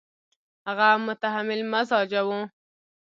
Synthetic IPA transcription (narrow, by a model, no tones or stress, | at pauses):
haɣamʊt̪aɦamɪlmazɑd͡ʒawũ